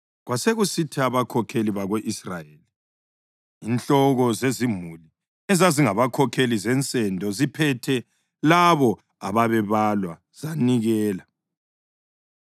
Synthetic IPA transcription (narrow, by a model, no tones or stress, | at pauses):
ɣwaseɣusitʰaβakʰɔkʰeliβaɣweʔisra̰jeli | int͡ɬɔɣɔzezimuli | ɛzaziŋaβakʰɔkʰelizɛnt͡sʼɛndʱɔzipʰɛtʰɛ | laβɔ | aβaβɛβalwa | z̥aniɣɛːla